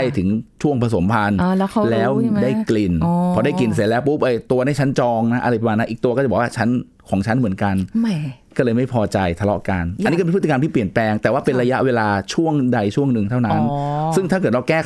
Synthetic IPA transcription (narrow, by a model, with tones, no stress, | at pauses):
a˥˩jt̪ʰɯ˩˦ŋt͡ɕʰu˥˩əŋpʰa˧s̬o˩˦mpʰa˧n˧lɛː˦˥wdaː˥˩jkli˨˩npʰɔː˧˩da˥˩ki˨ns̬i˩˦lɛː˦˥wp̬u˦˥p̚ʔɤː˧˩t̪u˧ɐda˥˩jʰt͡ɕʰa˦˥nt͡ɕɔː˧ŋna˦˥ʔa˧ɾjpʰa˧maː˧na˦˥ʔi˨˩kt̪u˧kɔː˥˩a˨˩bɔ˨˩waː˥˩t͡ɕʰa˦˥n | kʰɔː˩˦ŋt͡ɕʰa˦˥nmɯ˩˦ənka˧nkɔː˥˩lɤː˧jma˥˩jpʰɔː˧t͡ɕa˧jt̪ʰa˧lɔ̰˦˥ʔka˧nʔa˧nːiː˦˥˩e˧pʰt̪i˧kmt̪ʰiː˥p̬li˨˩ənplɛː˧ŋt̪ɛː˨˩waː˥˩pe˧nɾa˧ja˦˥ʔweː˧laː˧t͡ɕʰu˥˩əŋda˧jt͡ɕʰu˥˩əŋnɯ˨˩ŋt̪ʰa˥˩na˦˥nsɯ˥˩ŋt̪ʰaː˥˩kɤː˨˩t̪̚la˧wkɛː˥˩